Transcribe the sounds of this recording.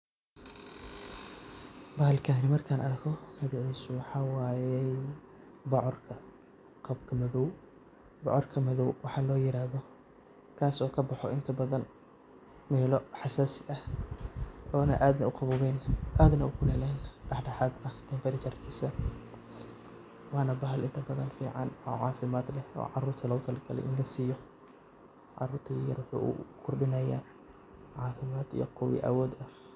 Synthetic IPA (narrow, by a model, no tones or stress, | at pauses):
bɐɦɐlkʰaːnɪmɐrkʰaːnɐrkʰɔmɐðɔʕɛsʊwɑħɑːwaːjɛj | bɑʕɔrkʰɐ | qɑbkʰɐmɐðɔw | bɔʕɔrkʰɐmɐðɔwwɑħɑːlɔːjɪɾaːðɔ | kʰaːsɔːkʰɐbɑħɔɪnt̪ʰɐbɐðɐn | mɛːlɔħɑsaːsɪʔɐh | ɔːnɐ̰ʔaːd̪nɐʊqɑβʊːβɛːnʔaːd̪nɐʊkʰʊlɛlɛːnɖɑħɖɐħaːd̪ɐhd̪̥ɛmbɐɾɪt͡ʃɐrkʰiːsɐ | wɑːnɐbɐɦɐlɪnt̪ʰɐbɐðɐnfḭːʕɑnɔ̰ːʕɑːfɪmaːd̪lɛhɔ̰ːʕɑɾuːrt̪ʰɐlɐwt̪ʰɐlɐkʰɐlɛ̰ʔɪ̰nlɐsiːjɔ | ʕɑ̰ruːrt̪ʰɐjɐrwʊħṵːʔṵkʰʊrɗɪnɐjaː | ʕɑːfɪmaːd̪ḭjɔ̰qɔwɪ̰ʔɐ̰wɔːd̪ɐ